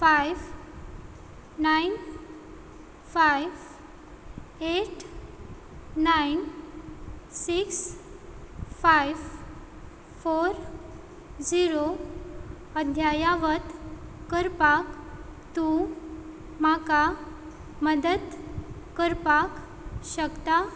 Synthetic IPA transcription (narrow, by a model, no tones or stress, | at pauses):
fajʋ | nain | fajʋ | eʈ | ain | siks | fajʋ | foɾ | d͡ziɾo | əd̪ʱjajaʋət̪kəɾpakt̪ũ | maka | məd̪əd̪ | kəɾpak | ɕəkt̪a